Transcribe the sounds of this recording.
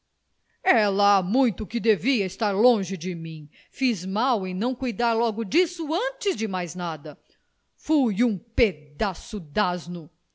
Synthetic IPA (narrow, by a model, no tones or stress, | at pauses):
ɛlɐamũj̃t̪ʊkɪd̪eviɐɪst̪aɾlõʒɪd͡ʒɪmĩ | fizmawẽj̃nɐ̃w̃kujd̪aɾlɔɡʊd͡ʒisʊɐ̃t͡ʃɪzd͡ʒɪmajznad̪ɐ | fujũped̪asʊd̪aznʊ